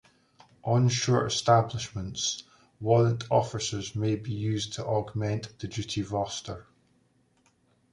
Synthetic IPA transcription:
ʔə̃nʃɔɹʔɪ̰stablˠɪʃmə̃nts | wɔlˠə̃ntʰɔfɪsə˞zmebijʉːztʰəʔɔɡmɛ̃nʔðəd͡ʒʉʔivɔstə˞

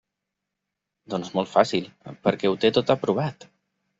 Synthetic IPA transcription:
d̪ɔnzmɔlˠt̪fasilˠpəɾkɛut̪et̪ot̪əpɾuβ̞at̪

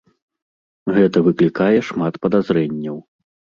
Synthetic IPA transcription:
ɣɛt̪ɐvɨklʲikajɛʂmat̪pɐd̪azɾɛnʲːɐw

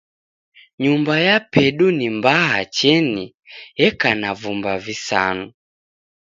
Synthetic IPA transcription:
ɲumbajapɛɗunimbaɦat͡ʃɛni | jɛkanavumbavisa̰nu

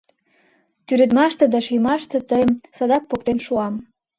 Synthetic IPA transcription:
t̪yɾĕt̪mɑʃt̪ĕd̪ɑʃijmɑʃt̪ĕt̪əjmsɑd̪ɑk̚pokt̪enʃuɑm

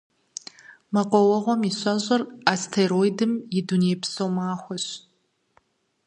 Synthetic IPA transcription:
maqʷʼɔwɐʁʷɔmiɕʷaʒʷʼɐrastʰeɾojdɨmidunejpʰsomaːxʷɔɕ

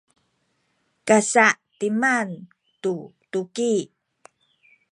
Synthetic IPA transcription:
kasaʔtiman | tu | tuki

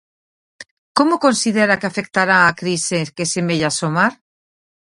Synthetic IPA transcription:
komokonsiðeɾakeafek̚t̪aɾaakɾisekesemeʎasomaɾ

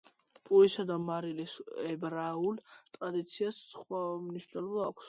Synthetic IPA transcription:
pʼuisad̪amaɾilisɛbɾault̪ʼɾad̪it̪sʰiasχwamniʃnɔlɔbaːkʷʰs

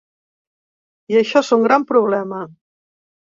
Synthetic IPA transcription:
iəʃɔsoŋɡɾampɾuβlɛmə

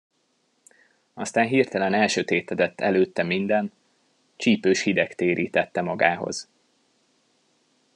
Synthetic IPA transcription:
ɒst̪aːnɦiːrt̪ɛlɛnɛlʃøt̪eːt̪ɛd̪ɛt̪ːɛ̰løːt̪ːɛmind̪ɛn | t͡ʃiːpøːʃhid̪ɛkt̪eːɾʔḭːt̪ɛt̪ːɛmɒɡaːɦo̞̰z̥

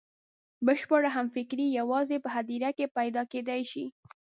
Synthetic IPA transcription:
bəʃpəɽaɦamfɪkɾijawɑzepəɦad̪iɾakepajd̪ɑked̪ajʃi

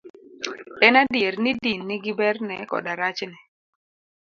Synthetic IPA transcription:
ɛnadiɾnidinːiɡibɛrnɛkɔ̰daɾat͡ʃnɛ

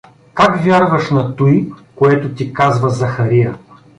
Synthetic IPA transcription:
kakvʲjaɾvɐʃnɐt̪ujkoɛt̪ʊt̪ikazvɐzɐxɐɾijɐ

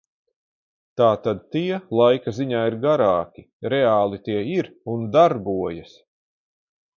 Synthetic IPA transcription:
t̪aːt̪ad̪̚t̪iɛlˠajkaziɲaːiɾɡaɾaːkʲi | ɾɛaːlˠit̪iɛiɾund̪aɾbuɔjɐs

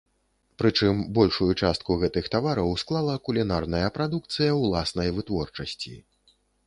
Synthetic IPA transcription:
pɾɨt͡ʂɨmbɔlʲʂujut͡ʂast̪̚kuɣɛt̪ɨxt̪avaɾɐwsklˠalˠɐkulʲinarnɐjɐpɾad̪uk̚t̪sɨjɐwlˠasnɐjvɨt̪vɔrt͡ʂɐsʲt͡sʲḭ

